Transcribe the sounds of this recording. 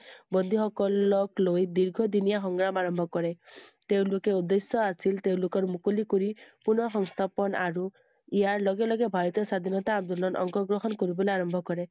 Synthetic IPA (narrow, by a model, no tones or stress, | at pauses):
bɔnd̪ʱiɦɔkɔlɔklojd̪iɾɡʱɔd̪inijaɦɔŋɡɾamaɾɔmbʱɔkɔɾet̪ew̃lokeud̪esjɔasilt̪ew̃lokɔɾmukulikoɾipunɔxɔŋst̪ʰapɔnaɾu | ijaɾlɔɡelɔɡebʱaɾɔt̪ɔsad̪ʱinɔt̪aːbd̪ɔlɔnɔ̰ŋkɔɡɾɔɦɔnkɔɾibɔleaɾɔmbʱɔkɔɾe